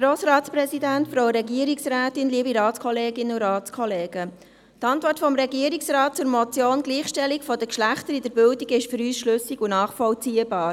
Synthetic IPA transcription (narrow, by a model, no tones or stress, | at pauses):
ɡɾoːsɾɑːtspɾɛzidæntfɾoʊɾɛɡiəɾiksræːtɪnliəbiɾɑːtskʰɔleːɡɪnənuɾɑːtskʰɔleːɡ̥ə | tɑntʋɔrtfɔmɾɛɡiəɾiksrɑːt̚t͡sʊɾmɔt͡sjoːnɡ̥liːχʃtɛlikfɔdəkʃlæχtəɾid̥əɾbʏldiɡɪʃfəɾyːsʃlɵsiɡunɑːχfɔlt͡siːəbɑːɾ